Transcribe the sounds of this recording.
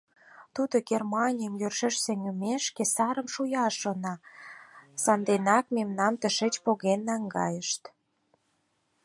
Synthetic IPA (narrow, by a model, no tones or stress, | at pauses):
t̪ud̪oɡermɑnʲijəmjørʃə̆ʃseŋymeʃkesɑɾə̆mʃujɑʃonɑ | sɑnd̪enɑkmemnɑmt̪əʃet͡ɕpoɣenːɑŋɡɑ̰jə̆ʃt̪